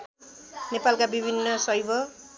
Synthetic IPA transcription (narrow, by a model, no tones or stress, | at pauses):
nepalkabibʱinːʌsʌjbʱʌ